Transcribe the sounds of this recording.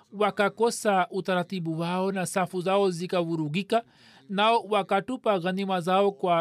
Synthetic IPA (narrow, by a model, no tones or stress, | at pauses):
wakakɔsautaɾatiɓuwaɔnasafuzaɔzikavuɾuɣika | naɔwakatupaɣanimazaɔkwa